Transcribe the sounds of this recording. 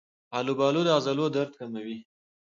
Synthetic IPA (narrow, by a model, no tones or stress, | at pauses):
ɑlubɑlud̪əazalod̪aɾt̪̚kamawi